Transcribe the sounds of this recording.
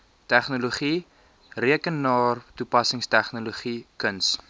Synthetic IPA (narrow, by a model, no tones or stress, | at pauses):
tæχnuluχi | riəkənːɑːrtupɐsəŋstæχnuluχikəns